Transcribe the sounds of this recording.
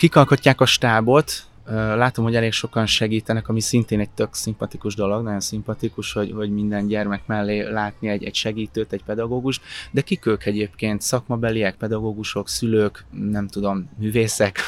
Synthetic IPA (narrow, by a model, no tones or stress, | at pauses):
kikɒlkocːaːkɒʃt̪aːbo̞t̪ | ølaːt̪o̞mɦo̞ɟɛleːkʃo̞kɒnʃɛɡiːt̪ɛnɛkɒmisint̪eːnɛc̚t̪ø̞ksimpɒt̪ikuʒd̪o̞lo̞ɡnɒɟo̞nsimpɒt̪ikuʃho̞ɟho̞ɟmind̪ɛnɟɛrmɛkmɛlːeːlaːt̪niɛɟɛ̰ɟʃɛɡiːt̪øːt̪ɛɟpɛd̪ɒɡoːɡuʃt̪d̪ɛkikøːkɛɟeːpkeːnt̪sɒkmɒbɛliɛk̚pɛd̪ɒɡoːɡuʃo̞ksyløːknɛmt̪ud̪o̞mːyːveːsɛk